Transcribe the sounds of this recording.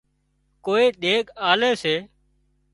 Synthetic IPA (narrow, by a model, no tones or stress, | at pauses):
koːiːɗ̪eːɠaːleːseː